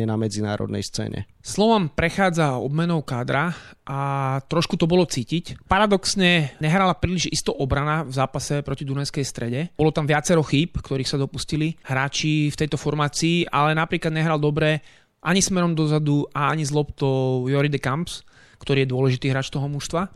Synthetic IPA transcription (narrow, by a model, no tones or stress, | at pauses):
ɛnamɛd͡zina̰ːɾɔ̰d̪nɛ̰jst͡sɛ̰ːɲɛ̰ | slɔʋɔmpɾɛxaːd͡zaɔ̰bmɛnɔʊkaːd̪ɾaʔat̪ɾɔʃkut̪ɔbɔlɔt͡siːcicpaɾad̪ɔksɲɛɲɛɦɾalapɾiːliʒist̪ɔʔɔbɾanavzaːpasɛpɾɔcid̪unɛskɛjst̪ɾɛɟɛbɔlɔt̪amʋɪat͡sɛɾɔxiːpkt̪ɔɾiːxsad̪ɔpusciliɦɾaːt͡ʃift̪ɛjt̪ɔfɔɾmaːt͡siːʔalɛnapɾiːklad̪ɲɛɦɾald̪ɔbɾɛ | ʔaɲismɛɾɔmd̪ɔzad̪uʔaaɲizlɔpt̪ɔʊjɔɾid̪ɛkamps | kt̪ɔɾiːjɛd̪ʊɔlɛʒit̪iːɦɾaːt͡ʃt̪ɔɦɔmuʃst̪ʋa